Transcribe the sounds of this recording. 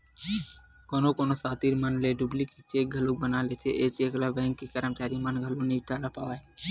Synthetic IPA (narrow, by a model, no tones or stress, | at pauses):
koːnokoːnosaːt̪iːɾmənleɖublikit͡ʃeːk̚ɡʱəluk̚bənalet͡ʃʰeʔeːt͡ʃeːklabɛ̃ːŋkːikəɾəmt͡ʃaːɾimənɡʱəloniʈaːɽapaːʋaɦe